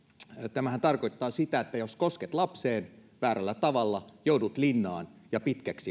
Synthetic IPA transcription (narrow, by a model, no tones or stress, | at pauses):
t̪æmæhænt̪ɑrko̞jt̪ːɑːsit̪æet̪ːæjosko̞sket̪lɑpseːnʋæːɾælːæt̪ɑʋɑlːɑjoudut̪linːɑːnjɑpit̪kæksi